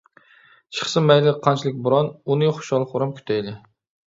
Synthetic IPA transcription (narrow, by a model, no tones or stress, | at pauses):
t͡ʃʰɨ̥χsɨmæjlɪqʰɑnt͡ʃʰilˠɪk̚ʲbʊɾɑnunɨχʊ̥ʃɑlˠχʊɾɑmkʲʰy̥t̪ʰɛjlɪ